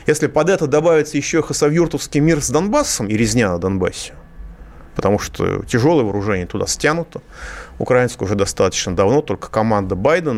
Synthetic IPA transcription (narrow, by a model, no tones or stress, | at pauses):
jesʲlʲɪpɐd̪ɛt̪əd̪ɐbavʲɪt̪səjɪɕːoxəsɐvjurt̪əfskʲijmʲirzd̪ɐnbasːəmɪɾʲɪzʲnʲanəd̪ɐnba̰sʲɪ̥ | pət̪ɐmuʂt̪o̰tʲɪʐo̞lˠəjəvəɾʊʐɛnʲɪjət̪ʊd̪a̰sʲtʲanʊt̪əʊ̰kɾɐainskəʊʐɛd̪ɐst̪at̪ə̥t͡ɕnəd̪ɐvnot̪o̞lʲkə̥kɐmand̪əbajd̪ən